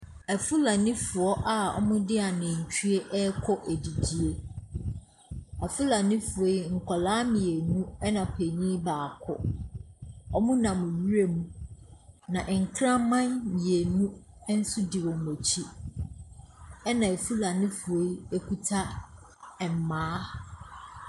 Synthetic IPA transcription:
æ˨fu˦la˨nɪ̃˦fʊ˨ɔ˦ʔa˦˨ɔ̰˦mʊ̃˦dɪ˦a˨nɪ̃˨ɲ̩˨t͡ɕʰᶣy˦e˦ʔɛ˦kʰɔ˦ʔæ˨di˨di˨e˦ | a˨fu˦la˨nɪ̃˦fʊ˨e˨˦ŋ̩˨kʰɔ˨laː˦mĩ˨e˨nũ˦ɛ˦nã˨pʰe˨ɲĩː˦baː˨kʰʊ̰˦ | ɔ˦mʊ̃˦nã˨mʊ̃˨ɥi˦e˦mũ˦ | nã˨ʔŋ̩˨kʰɾã˦mã˦nmĩ˨e˨nũ˦ | n̩˦sʊ˦dɪ˨wɔ̃˨m˨e˨t͡ɕʰi˦ | ɛ˦nã˨e˨fu˦la˨nɪ̃˦fu˨e˦e˦ku˦tʰa˦ | ɛ˨m̩˨mãː˨˦

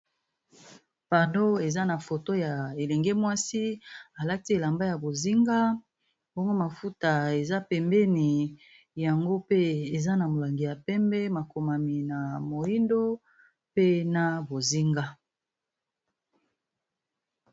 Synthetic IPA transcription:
pa˨do˦e˨za˦na˨fo˨to˦ja˨e˨lɛ˨ŋɡe˦mwa˦si˦a˨la˦ti˦e˨la˨mba˦ja˨bo˨zi˦ŋɡa˦ | bo˦ŋɡo˦ma˨fu˦ta˨e˨za˦pɛ˨mbɛ˦ni˨ | ja˨ŋɡo˦pe˦e˨za˦na˨mo˨la˨ŋɡi˨ja˨pɛ˦mbɛ˦ma˨ko˨ma˨mi˨na˨mo˨i˦ndo˦ | pe˦na˨bo˨zi˦ŋɡa˦

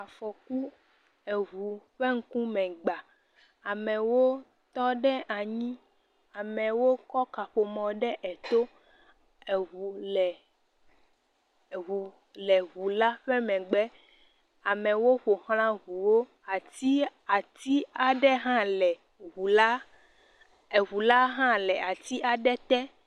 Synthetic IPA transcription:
a˨fɔ˨ku˦ | e˨ɦu˨ɸɛ˦ŋ̩˦kũ˦mɛ̃˨ɡ͡ba˨ | a˨mɛ̃˨wo˦ | t̪ɔ˦ɖɛ˦ʔa˨ɲĩ˦ | a˨mɛ̃˨wo˦kɔ˦ka˨ɸo˨mɔ̃˨ɖɛ˦ʔɛ˨t̪o˦ | e˨ɦu˨lɛ˨ | ɦu˨ | lɛ˨ɣu˨la˦ɸɛ˦mɛ̃˨ɡ͡bɛ˦ | a˨mɛ̃˨wo˦ɸo˨xl̃ã˦ɣu˨wo˦ | a˨t̪i˦a˨t̪i˦a˨ɖɛ˦ɦã˦lɛ˨ | ɣu˨la˦ | e˨ɣu˨la˦ɦã˦lɛ˨a˨t̪i˦ʔa˨ɖɛ˦t̪ɛ˦

